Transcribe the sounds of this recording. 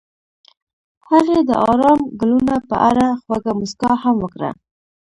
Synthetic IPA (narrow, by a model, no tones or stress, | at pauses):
haɾed̪ə̰ʔɑɾɑmɡəlunapə̰ʔaɾaxwaɡamʊskɑhamwəkɾa̰